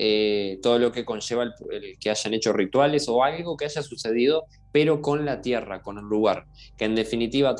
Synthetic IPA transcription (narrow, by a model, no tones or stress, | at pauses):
et̪o̞ð̞o̞lo̞ke̞ko̞nʒe̞βalpekeaʒanet͡ʃo̞rit̪wale̞so̞alɣo̞keaʒasuse̞ð̞ið̞o̞ | peɾo̞ko̞nlat̪jerako̞nunːuɣaɾ | keːnd̪e̞finit̪iβa